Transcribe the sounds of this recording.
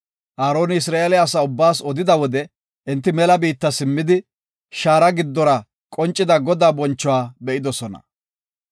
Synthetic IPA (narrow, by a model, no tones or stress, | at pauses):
ʔaːɾo̞ːnɪɪs̬ɾaːʔelɛɐsɐʊbːaːsɔd̪ɪd̪ɐwɔd̪ɛ | ʔɪnt̪ːɪmɛlɐbiːt̪ːɐsɪmːɪd̪ɪ | ʃaːɾɐɡɪd̪ːɔɾɐ | kʼɔnt͡ʃʼːɪd̪ɐɡɔd̪aːbɔnt͡ʃːɔwaːbɛʔɪd̪ɔsɔnɐ̰